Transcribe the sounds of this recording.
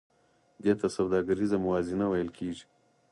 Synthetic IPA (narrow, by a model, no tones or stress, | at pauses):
d̪et̪asawd̪ɑːɡaɾizamʊwɑːzinawɐjəlkʰeːʒi̥